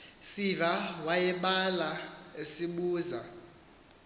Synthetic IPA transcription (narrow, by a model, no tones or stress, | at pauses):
sivawajɛɓalaesiɓuːza